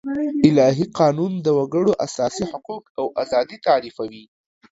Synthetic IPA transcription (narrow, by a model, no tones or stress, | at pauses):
ɪlɑɦiqɑnund̪əwaɡəɽoʔasɑsihʊqukawʔazɑd̪it̪ɑɾifawi